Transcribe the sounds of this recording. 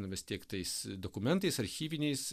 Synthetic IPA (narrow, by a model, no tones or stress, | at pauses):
nɐʋʲɪst̪ʲiɛkt̪ɐɪsd̪oːkʊmʲɛnt̪ɐɪsɐɾʲxʲiːʋʲɪnʲɛɪs